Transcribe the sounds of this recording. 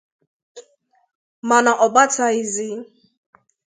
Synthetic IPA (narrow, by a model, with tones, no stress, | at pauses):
ma˨na˨ʔɔ˨ba˦tʰa˨i˨zi˦